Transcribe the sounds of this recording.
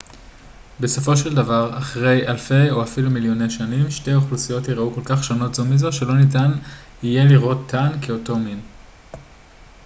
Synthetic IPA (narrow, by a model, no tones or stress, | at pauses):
be̞so̞fo̞ʃeldavaʁaχʁe̞jalfe̞jo̞afilumiljo̞ne̞jʃanimʃte̞jaoχlusijo̞tiʁauko̞lkaχʃono̞tzomizo̞ʃe̞lo̞nitan | ije̞liʁʔo̞t̪ʰːankeo̞to̞min